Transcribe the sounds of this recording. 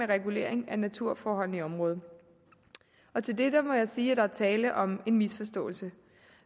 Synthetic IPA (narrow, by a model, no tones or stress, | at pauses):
eʁɛɡ̥ule̝̰ɐeŋænæt͡sʰuɐ̰fɒːɦɒ̽l̰n̩iɒ̽mʁɔ̽ːð̞ˠ | ɒ̽t͡sʰe̝ld̥ed̥ɐmɒ̽jɑ̈ɪsiːæd̥ɑ̈æɐt͡sʰɛːləʔɒ̽me̝nmisfɒ̽sd̥ɔ̰̽ːl̩sə